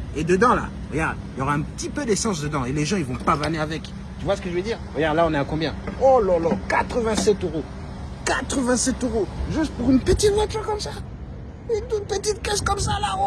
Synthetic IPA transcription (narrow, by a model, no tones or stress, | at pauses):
ed̪əd̪ɑ̃la̰ | vajaʁd̪iljɔʁaɛ̃pət̪ipød̪esɑ̃s̬d̪əd̪ɑ̃eleʒɑ̃ilvɔ̃pavaneavɛk | t̪yvwasə̥kəʒəved̪iːʁvajaʁlaɔ̃nɛakɔ̃bjɛ̃ɔlɔlɔkat̪χəvɛ̃sɛt̪øʁo | kat̪χəvɛ̃sɛt̪øʁoʒyst̪̚puʁynpət̪it̪vat̪yʁkɔmsa | ynt̪ut̪pət̪it̪̚kaʃkɔmsalao